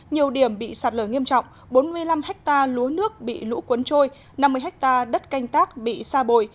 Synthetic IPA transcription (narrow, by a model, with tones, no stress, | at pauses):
ɲi˨˩əwɗi˧˩əmɓḭ˧˨saː˨˩t̚ləː˧˩ŋi˧əmt͡ɕɔ̰˧˨wŋ͡m | ɓo˨˦nmɨ˧əjla˧mhɛ˦˥k̚t̪aː˧lu˨˦ənɨ˦˥ək̚ɓḭ˧˨lṵ˧˥kwə˨˦nt͡ɕo˧j | na˧mːɨ˧əjɦɛ˦˥k̚t̪aː˧ɗə˦˥t̚ka˧jŋ̟t̪aː˦˥k̚ɓḭ˧˨saː˧ɓo˨˩j